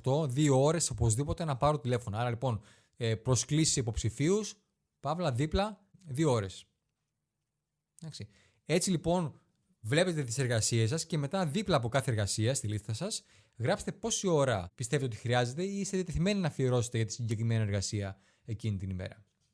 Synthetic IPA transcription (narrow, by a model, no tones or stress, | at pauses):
t̪o̞ðiooɾe̞so̞pozðipo̞t̪e̞nɐpɐɾot̪ile̞fo̞nɐɐɾɐlipo̞n | epɾo̞sklisi̥sipo̞psifius | pɐvlɐðiplɐðioo̞ɾe̞s | d̪ɐksi | e̞t͡silipo̞n | vle̞pe̞t̪et̪ise̞ɾɣɐsies̬ɐsce̞me̞t̪ɐðiplɐːpo̞kɐθe̞ːɾɣɐsiɐst̪ilist̪ɐsɐs | ɣɾɐpse̥t̪epo̞sio̞ɾɐpist̪evet̪oixɾiɐze̞t̪e̞iist̪eðjɐt̪eθime̞ninɐfioɾo̞se̥t̪eʝɐt̪i̥siɲɟe̞kɾime̞nie̞ɾɣɐsiɐ | e̞cinit̪inimḛɾɐ̰